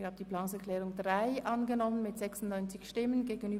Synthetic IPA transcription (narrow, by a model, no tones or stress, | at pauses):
haːbəd̥̪iːplaːsɛɐklɛːʁʊŋdʁaɪʔɑnɡənɔmənmɪtz̥ɛksʊn̩tnɔʏnt͡sɪçʃtɪmənɡeːɡən̩yː